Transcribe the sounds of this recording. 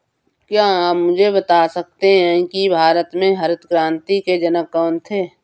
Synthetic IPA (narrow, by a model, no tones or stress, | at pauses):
kjaːamːʊd͡ʒʱebət̪aːsɐk̚t̪eɦɛ̃ːkibʱaːɾət̪mẽɦɐɾət̪kɾãːnt̪iked͡ʒənəkɔːnt̪ʰeː